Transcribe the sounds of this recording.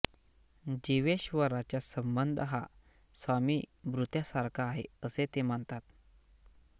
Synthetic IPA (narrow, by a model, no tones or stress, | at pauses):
d͡ʑiʋeɕʋəɾat͡ɕjasəmbənd̪ʱəɦa | sʋamiːbɾut̪jasaɾkʰaːɦḛəset̪eməɳt̪at̪